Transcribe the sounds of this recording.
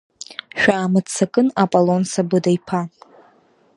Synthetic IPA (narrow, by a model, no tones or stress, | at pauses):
ʃᶣʷaːmɨt͡sʰakʼɨnapʼolonsabɨdajpʰa